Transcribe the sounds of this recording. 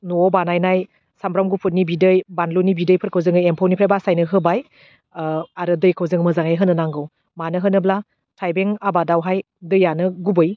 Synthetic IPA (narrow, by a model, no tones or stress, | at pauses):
nuɔbanajnaj | samɾamɡupʰut̚nibidɯjbanlunibidɯjpʰɯɾkʰɯwzɯŋɯjempʰawnipʰɾajbasajnɯɦɯbaj | aɾɯdɯjkʰɯwzɯŋmɯzaŋajɦɯnɯnaŋɡɯw | manɯɦɯnɯbla | tʰajbeŋabadawɦaj | dɯjːanɯɡubɯj